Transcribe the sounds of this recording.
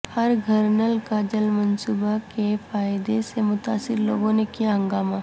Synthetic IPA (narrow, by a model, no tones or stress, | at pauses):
hɐɾɡʱəɾnəlkaːd͡ʒəlmɐnsuːbakefaːjd̪esemʊt̪aːsɪɾloːɡõnekijaɦə̃ŋɡaːma